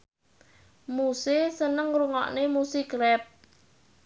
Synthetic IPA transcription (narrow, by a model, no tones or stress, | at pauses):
musɪsənəŋruŋɔ̰ʔnemusiɡɾɛp̚